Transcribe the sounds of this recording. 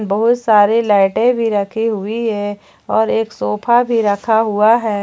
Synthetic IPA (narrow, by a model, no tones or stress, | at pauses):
nbɐɦʊt̪saːɾelaːʈẽbʱiɾɐkʰiɦʊiɦɛː | ɔːɾeːksoːpʰabʱiɾɐkʰaɦʊaɦɛː